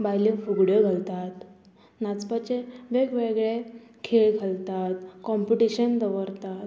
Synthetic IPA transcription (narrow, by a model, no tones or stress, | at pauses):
bajləfuɡɽjəɡʱəlt̪at̪ | nat͡spat͡ɕeʋeɡʋeɡɭe | kʰeɭɡʱəlt̪at̪kɔmpiʈiɕənt̪əʋəɾt̪at̪